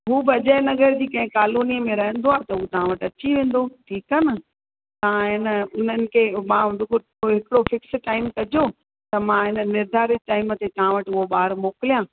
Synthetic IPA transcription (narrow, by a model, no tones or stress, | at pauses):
ɦuːbɪɐd͡ʑaːɪnɐɡəɾd͡ʑiːkɐ̃ɦɪ̃kaːloːnijəmẽɾɐɦə̃n̆d̪oaːt̪ɐɦuːt̪ɐɦãʋɐʈɐt͡ɕiʋẽːn̆d̪oʈʰiːkaːnɐ | t̪ɐɦãɦɪnəʊn̤ənɪ̆kʰemãɦʊ̃d̪ʊko | ɦɪkɪɽofɪksʈaːɪmkɐd͡ʑo | t̪ɐmãɦɪnə̆nɪɾd̪ʱaːɾɪʈaːɪmət̪et̪ɐɦãʋɐʈɪʊɦoɓaːɾmoːkɪlijãː